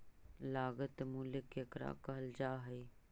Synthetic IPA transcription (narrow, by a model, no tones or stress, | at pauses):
laːɡət̪muːlɪkːekɾa̰kɐɦəld͡ʒaːɦəi